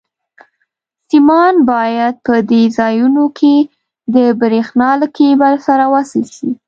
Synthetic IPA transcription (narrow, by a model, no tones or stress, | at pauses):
simɑnbɑjad̪̚pəd̪ezɑjunokʰe | d̪əbɾexnɑləkebalsaɾawasəlʃi